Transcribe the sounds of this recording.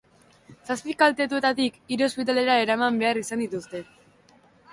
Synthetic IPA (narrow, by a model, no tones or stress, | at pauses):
saspikalt̪e̞t̪ue̞t̪at̪ikiɾo̞spit̪̬ale̞ɾae̞ɾamambe̞arisand̪it̪ust̪e̞